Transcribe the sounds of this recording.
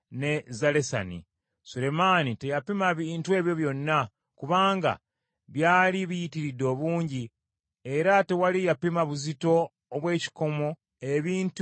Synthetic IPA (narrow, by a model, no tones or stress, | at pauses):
ne̞zale̞sa̰nḭ | sule̞manite̞japimaβintue̞ːβjo̞βjo̞nːa | kuβaːŋɡa̰ | βjaːliβijitiɾidːo̞βuːɲɟi | e̞ɾate̞walijapimaβuzito̞ː | βwe̞ːci̥ko̞mo̞ | e̞βiːnt